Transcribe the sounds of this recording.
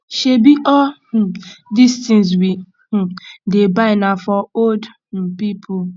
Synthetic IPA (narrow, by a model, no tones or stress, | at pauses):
ʃebiʔɔh̩distĩŋs̬wĩ | debaɪnafɔod̩ | pipʰʊ